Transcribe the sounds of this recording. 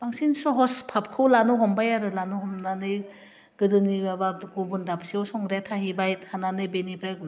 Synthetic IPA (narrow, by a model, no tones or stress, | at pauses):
b̥aŋsinsɔɦɔspʰap̚kʰɯwlanɔɦɔmbajaɾɯlanɔɦɔmnanɯj | ɡ̥ɯdɯnibabaɡubundabsiɔwsɔŋɾetʰahibajthananɯjbenibɾeɡn